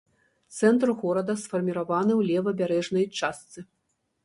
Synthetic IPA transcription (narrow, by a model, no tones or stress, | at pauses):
t̪sɛnt̪ɾɣɔɾɐd̪ɐsfɐrmʲiɾavanɨwlʲɛvɐbʲaɾɛʐnɐjt͡ʂast̪sɨ